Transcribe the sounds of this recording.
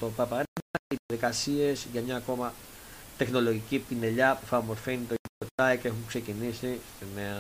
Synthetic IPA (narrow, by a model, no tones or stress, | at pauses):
t̪opɐpɐɾeɐiðɐðikɐsie̞sʝɐmɲɐːko̞mɐt̪e̞xno̞lo̞ʝicipine̞ʎɐpufɐmoɾfenit̪oipot̪ɐceexuŋkse̞cinisi | me